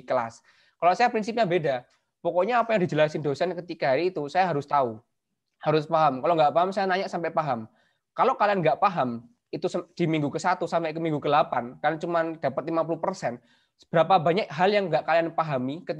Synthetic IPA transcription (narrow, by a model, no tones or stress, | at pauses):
kəla̰s | kalosajapɾinsip̚ɲabeda | pɔkɔɲaːpajaŋdi̤d͡ʒəlasɪndosɛnkət̪ikaɦɾiːt̪usajaɦaɾʊst̪au | haɾʊspaɦamkaloʔŋɡaʔpaɦamsajanaɲaʔsampɛʔpaɦam | kalokalianŋɡaʔpaɦam | it̪usd̥imiŋɡukəsat̪usampɛʔkəmiŋɡukəlapankarnat͡ʃumand̥a̤pət̪̚limap̬ulupərsɛn | b̥əɾapabaɲakɦaljaŋɡaʔkalianpaɦamikət